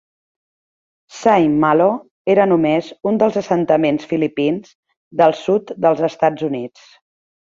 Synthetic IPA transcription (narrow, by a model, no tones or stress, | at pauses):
sajmːalo | eɾənumezund̪əlˠzəsənt̪əmensfilipinz | d̪əlˠsut̪d̪əlˠzəst̪ad͡zunit͡s